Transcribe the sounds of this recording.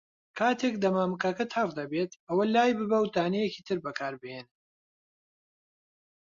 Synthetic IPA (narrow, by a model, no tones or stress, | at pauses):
kʰaːt̪ʰekd̪ɐmaːmkakɐt̪ʰɐrd̪ɐbeːt̪ʔɐwɐlaːjbɨbɐwt̪aːnɛjeki̥t̪ʰɨɾbɐkʰaːɾbɨhen